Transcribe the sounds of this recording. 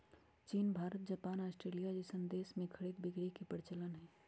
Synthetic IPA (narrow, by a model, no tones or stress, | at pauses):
t͡ʃiːnbʱaːɾət̪̚d͡ʒɐpaːnaːsʈɾeːlijad͡ʒɪsə̃nd̪eːsmẽkʰɐɽiːd̪̚bɪɡɾikepəɾɪt͡ʃələnɦɛː